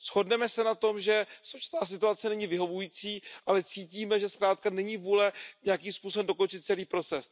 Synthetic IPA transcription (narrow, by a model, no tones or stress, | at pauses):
sho̞dnɛmɛsɛnat̪o̞mʒɛsot͡ʃɪ̥st̪aːs̬ɪt̪uat͡sɛnɛɲɪvɪɦo̞vujiːt͡siːʔalɛt͡siːciːmɛʒɛskɾaːt̪̚kanɛɲivuːlɛɲɛjakiːmspuːsoɛmdo̞ko̞nt͡ʃɪt̪̚t͡sɛliːpɾo̞t͡sɛs